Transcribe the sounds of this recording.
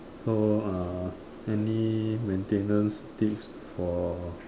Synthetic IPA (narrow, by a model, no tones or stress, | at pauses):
soa | ɛnimɛ̃ntẽnə̃nstips | fɔ